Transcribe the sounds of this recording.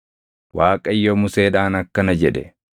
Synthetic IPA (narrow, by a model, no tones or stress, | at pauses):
waːkʼɐɪjːomʊseːᶑaːnɐkːɐnɐd͡ʒɛᶑɛ